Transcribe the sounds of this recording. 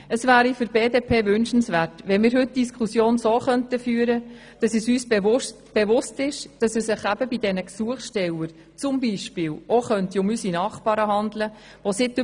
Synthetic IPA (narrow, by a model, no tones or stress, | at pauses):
əsvæːɾifʏɾb̥eːdepʰeːʋʏnʃən̩svæːrtʋɛnmiːɾɦɵt̚d̥iskχusjoːnsoːχœntəfyːəɾə | d̥ɑsəsyːsbɛʊstb̥eʋʊstɪʃd̥ɑsəsɪχæb̥əbidɛnəksuəχʃtɛləɾ | t͡sʊmbiːʃpɪːlʔoχœntiʊmysinɑːχpɑːɾəɦɑndlə | ʋosɪtː